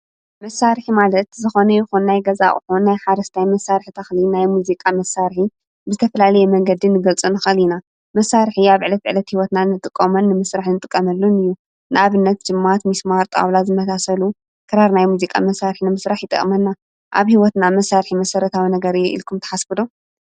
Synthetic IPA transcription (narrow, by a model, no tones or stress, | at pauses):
mɐsaɾħimalɐt̪zɨxonɐjɪxunːajɡɐza̰ʔʼħunːajħaɾɐst̪ʰajmɐsːaɾħt̪ʰɐxlinajmuzikʼamɐsaɾħi | bɨzɨt̪ʰɐfɐlalɐjɛmɐŋɡɐd̪inɨɡɐlt͡sʼunɨxɐlina | mɐsːaɾħiaβʕɨlɐt̪̚ʕɨlɐt̪hiwɔt̪nanɨt̪ʼɨkʼːɐmɐnːɨmɨsɾaħnɨt̪ʼɨkʼːɐmɐlːunɨjːu | nɨʔaβɨnːɐt̪̚d͡ʒɨmːat̪mismaɾt̪ʼa̰wlazɨmɐsasɐlu | kʰɨɾaɾnajmuzikʼa̰mɐsːaɾħinɨmɨsɾaħjɪt̪ʼɨ̰kʼmɐnːa | ʔa̰βhiwɔt̪namɐsːaɾħimɐsɐɾɐt̪ʰawinɐɡɐɾɨjɛʔḭlkʰumt̪ʰɐħasfɨd̪o